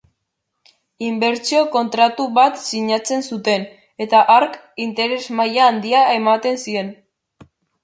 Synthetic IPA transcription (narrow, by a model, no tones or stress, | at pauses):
imbe̞ɾt͡sio̞ko̞nt̪ɾat̪uβat̪siɲat͡se̞nsut̪e̞n | e̞t̪aʔaɾk | int̪e̞ɾe̞zmajaːnd̪iaemat̪e̞nsie̞n